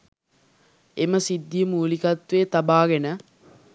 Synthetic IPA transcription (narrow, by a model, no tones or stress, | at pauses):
eməsid̪ːijəmuːlikɐt̪ʋeːt̪abaːɡenə